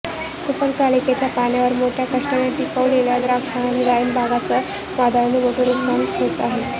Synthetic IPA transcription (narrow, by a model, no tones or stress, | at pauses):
k̪upəlkaliket͡ɕjapaɳjaʋəɾmoʈʰjakəʂʈəneʈipəʋɽeljad̪ɾaksaɳaniɾajəmbʱaɡat͡səː | ʋad̪ʱaʋɳimoʈʰəɾuksanɦot̪aɦe